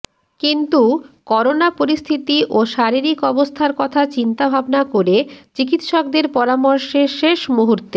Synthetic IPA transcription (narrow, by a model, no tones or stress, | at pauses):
kint̪ukɔɾonapoɾist̪ʰit̪iʔoʃaɾiɾikɔbost̪ʰaɾkɔt̪ʰat͡ɕint̪abʱabnakoɾet͡ɕikit̪ʃɔk̚d̪eɾpɔɾamoɾʃeɾʃeʃmuɦuɾt̪e